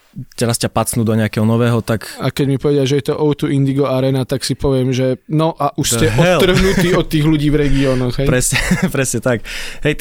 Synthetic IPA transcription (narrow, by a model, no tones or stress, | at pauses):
t̪ɛɾascapat͡snuːd̪ɔɲɛakɛɦɔnɔʋɛːɦɔt̪akakɛɟmipɔʋɛɟɪaʒɛjɛt̪ɔʔɔʊt̪uʔind̪iɡɔaɾɛːnat̪aksipɔʋɪɛmʒɛnɔʔaʔuʃscɛɦɔɛt̪lːr̩ɦnut̪iːɔt̪ːiːɣluɟiːvɾɛɡiɔːnɔɣɦɛjɾɛsɲɛpɾɛsɲɛt̪akɦɛj